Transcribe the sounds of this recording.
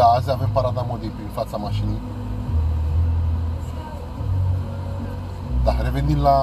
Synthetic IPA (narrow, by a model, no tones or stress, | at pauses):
aːzavempaɾad̪amod̪impinfat͡samaɕini | d̪aɦɾeʋend̪inla